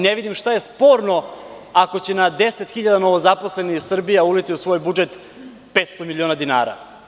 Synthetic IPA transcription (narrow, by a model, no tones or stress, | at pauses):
neʋid̪imʃt̪aje̞spo̞ːɾno̞ako̞t͡ɕe̞nad̪e̞se̞t̪xiʎad̪ano̞ʋozapo̞sle̞nixsr̩bijaulit̪iusʋo̞ːjbud͡ʒe̞t̪ | peːt̪st̪o̞milioːnad̪ina̰ːɾa̰